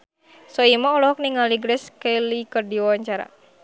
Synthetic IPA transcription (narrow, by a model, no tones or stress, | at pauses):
sɔimɔɔlɔɦɔk̚niŋaliɡɾɛskəjlikərdiwwaɲt͡ʃaɾa̰